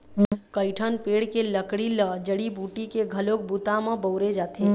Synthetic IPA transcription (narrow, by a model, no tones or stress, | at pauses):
kəɪʈʰənpeɽkeləkɽiləd͡ʒəɽibuːʈikeɡʱəlok̚but̪amə̃bəʊɾed͡ʒat̪ʰi